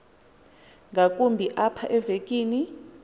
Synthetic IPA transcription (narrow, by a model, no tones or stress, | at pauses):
ŋɡakʼumbʱiʔapʰaʔɛvekʼiːni